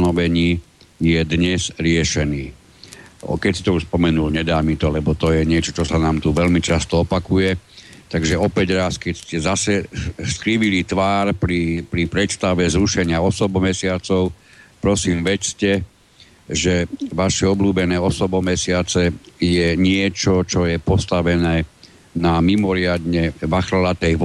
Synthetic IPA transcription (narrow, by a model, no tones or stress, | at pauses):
nɔʋɛɲiː | jɛd̪ɲɛzɾɪɛʃɛniː | ɔ̰kɛcsi̥t̪ɔuʃspɔmɛnulɲɛd̪aːmit̪ɔlɛbɔt̪ɔjɛɲɪɛt͡ʃɔt͡ʃɔsanaːmt̪uʋɛlmit͡ʃast̪ɔɔpakujɛt̪aɡʒɛɔpɛɟɾaːskɛcscɛzasɛskɾiʋilit̪ʋaːɾpɾipɾipɾɛt̪st̪aʋɛzɾuʃɛɲɪaɔsɔbmɛsɪat͡sɔʊ | pɾɔsiːmʋɛcscɛ | ʒɛʋaʃɛɔbluːbɛnɛːɔsɔbɔmɛsɪat͡sɛjɛɲɪɛt͡ʃɔt͡ʃɔjɛpɔst̪aʋɛnɛː | namimɔɾɪad̪ɲɛʋaxɾalat̪ɛjʋ